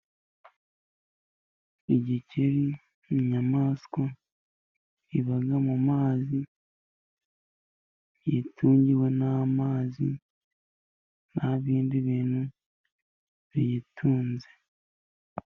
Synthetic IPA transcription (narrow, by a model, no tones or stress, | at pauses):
iɟiciɾi | iɲamaːsko | iβaɡamumaːzi | jitʰuːɲɟiwe̞namaːzi | naβiːndiβiːnu | βijitʰuːnze̞